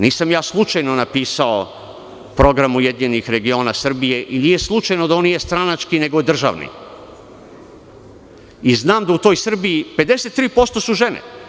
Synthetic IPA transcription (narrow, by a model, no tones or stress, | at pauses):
niːsamjaːslˠut͡ʃajnonapiːsao | pɾo̞ɡɾamujed̪ɲenixɾe̞ɡio̞ːnasr̩bije̞ʔiniːje̞slˠut͡ʃajnod̪aonːijest̪ɾanat͡ʃkine̞ɡoed̪r̩ʒa̰ʋnḭ | iznaːmd̪aut̪o̞jsr̩biipe̞d̪e̞set̪ːɾiːpo̞st̪o̞suʒe̞nḛ